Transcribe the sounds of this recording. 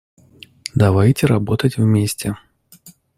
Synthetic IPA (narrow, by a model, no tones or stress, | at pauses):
d̪avajtʲɛɾabɔt̪ətʲvmʲesʲtʲɛ